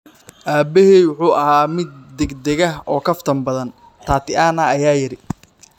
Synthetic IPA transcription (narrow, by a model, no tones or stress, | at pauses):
ʔaːbɛhɛːjwʊħuːʔɐhaːmɪd̪̚d̪ɛɡd̪ɛɣɐɦɔːkʰɐft̪ʰɐmbɐðɐn | t̪ʰaːt̪ʰɪʔaːnɐɐjaːjɪɾɪ